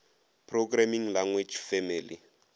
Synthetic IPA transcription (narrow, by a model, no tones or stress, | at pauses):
pʰroɡramiŋlaŋwed͡ʒfɛmilḭ